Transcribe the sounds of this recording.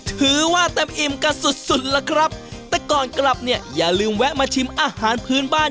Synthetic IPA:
t̪ʰɯː˨˩˦waː˥˩t̪ɛ˧mʔi˧mka˧nsu˨˩t̪̚su˨˩t̪̚lɛ˦˥kʰɾa˦˥p̚t̪ɛː˨˩kɔː˨˩nkla˨˩p̚ni˥˩ɐjaː˨˩lɯː˧mwɛ˦˥t̚maː˧t͡ɕ̪ʰi˧˥mʔaː˧haː˩˦npʰɯː˦˥nbaː˥˩

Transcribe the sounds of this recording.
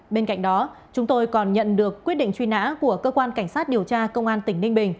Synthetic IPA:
ɓe˧nka̰˧˨jŋ̟ɗɔ˨˦ | t͡ɕʊ˨˦ŋ͡mt̪o˧jkɔ˨˩nɲə̰˧˨nɗɨ˨˩əkːwt̚ɗḭ˧˨ŋt͡ɕwi˧na̰ː˧˥ku˧˩əkəː˧kwaː˧nka˧˩jŋ̟saː˦˥t̚ɗi˨˩əwt͡ɕaː˧kə˧wŋ͡mʔaː˧nt̪ï˧˩ŋ̟nï˧ŋ̟ɓï˨˩ŋ̟

